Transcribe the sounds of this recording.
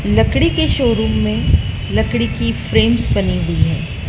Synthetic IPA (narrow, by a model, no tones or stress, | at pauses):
lɐkɽikeʃoːɾuːɦmẽ | lɐkɽikifɾeːmsbɐniɦʊiɦɛː